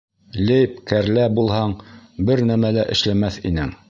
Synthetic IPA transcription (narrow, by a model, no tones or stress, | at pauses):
lejpkæɾlæbulˠhɑɴbɘɾnæmælæʔɘ̆ʃlæmæθḭnɘŋ